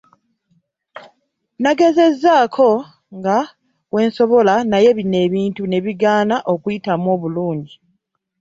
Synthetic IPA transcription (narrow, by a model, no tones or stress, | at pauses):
naɡe̞ze̞zːaːkʰo̞ | ŋɡa | we̞ːnso̞βo̞lanaje̞βine̞ːβiːntune̞βiɡaːnaʔo̞kujitamuo̞ːβuluːɲɟi